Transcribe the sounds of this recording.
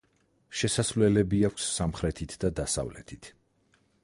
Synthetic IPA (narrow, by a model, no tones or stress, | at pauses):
ʃɛsasvlɛlɛbiakʷʰsːamχɾɛt̪ʰit̪ʰd̪ad̪asa̰vlɛ̰t̪ʰit̪ʰ